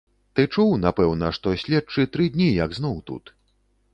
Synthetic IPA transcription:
t̪ɨt͡ʂuwnapɛwnɐʂt̪ɔsʲlʲɛt͡ʂɨt̪ɾɨd̪ʲnʲijɐɡznɔwt̪ṵt̪

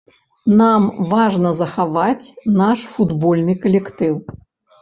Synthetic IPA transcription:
namvaʐnɐzɐxavat͡sʲnaʂfud̪bɔlʲnɨkɐlʲɛkt̪ɨw

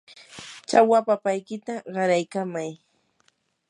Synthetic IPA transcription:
t͡ʃawapapajkɪt̪aɢɑɾajkamaj

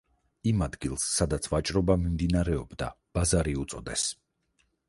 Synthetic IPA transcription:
imad̪ɡilˠsːad̪at̪sʰvat͡ʃʼɾɔbamimd̪inaɾɛɔbd̪a̰ | b̥azaɾiut̪sʼɔd̪ɛs

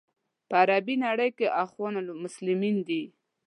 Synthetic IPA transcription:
pəaɾabinaɽəjkeʔaxwɑnalmʊslɪmind̪i

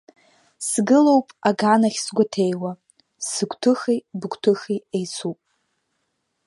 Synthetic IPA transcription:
sɡɨlo̞wpʼaɡanaχʲsɡʷatʰejwa | sɨkʷʰʼtʰɨχijbɨkʷʰʼtʰɨxiejt͡sʰupʼ

